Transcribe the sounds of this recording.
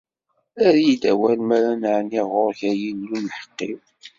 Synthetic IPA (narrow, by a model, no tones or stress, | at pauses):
æɾjd̪æwælmæɾænʕniʁʊɾçæjinːunħə̥qːiw